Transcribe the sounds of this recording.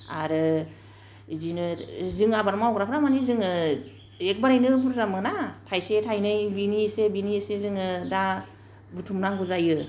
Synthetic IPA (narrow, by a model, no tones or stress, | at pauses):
a̰ɾɯ | zinɯzɯŋabaɾmaawkɾapʰɾamanizɯŋɯ | ek̚baɾajnɯbuɾzamɯnatʰajsetʰajnɯjbinisebinisezɯŋɯda | butʰumnaŋɡuzajɯ